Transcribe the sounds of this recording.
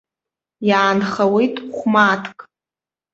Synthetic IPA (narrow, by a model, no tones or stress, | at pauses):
jaːnχawejtʼχʷmatʰkʼ